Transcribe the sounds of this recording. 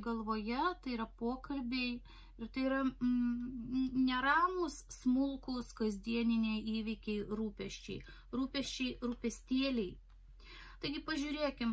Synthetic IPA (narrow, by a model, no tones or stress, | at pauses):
ɡɐlˠʋoːjɛt̪ɐɪiɾɐpoːkɐlʲbʲeɪ | ɪɾt̪ɐɪiːɾɐ | nʲɛɾɑːmʊssmʊlˠkʊskɐzʲd̪ʲiɛnʲɪnʲeːiːʋʲɪkʲɛɪɾuːpʲɛʃʲt͡ʃʲɛ̰ɪ | ɾuːpʲɛʃʲt͡ʃʲɛɪɾupʲɛsʲt̪ʲiɛlʲɛɪ | t̪ɐɪɡʲɪpɐʒʲʊːɾʲeːkʲɪm